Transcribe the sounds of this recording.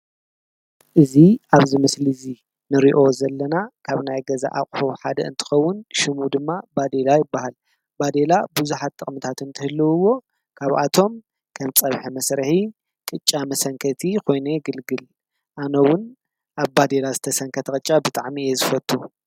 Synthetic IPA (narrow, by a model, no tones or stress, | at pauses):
ʔɨziʔaβzɨmɨslizi | nɨɾiʔo̞zɐlːɐnakʰaβnajɡɐza̰ʔakʼħuħad̪ɐɨnt̪ʰɨ̥xɐwːʊnʃɪmud̪ɨmːabad̪e̞lajɪbːahal | bad̪e̞labuzuħat̪ʼːɨkʼmɨt̪ʰat̪ʰɨnt̪ʰɨhɨlːɨwɨwːo̞ | kʰaβa̰t̪ʰo̞m | kʰɐmt͡sʼɐβħimɐsɾɐħi | kʼɨt͡ʃʼːamɐsɐŋkʰɐt̪ʰikʰo̞jneɡɨlɡɨl | ʔanɐwʊn | ʔaβbad̪elazɨt̪ʰɐsɐŋkʰɐt̪ʰɐkʼɨt͡ʃʼːabɨt̪ʼaʕmijezɨfɐt̪ʼːu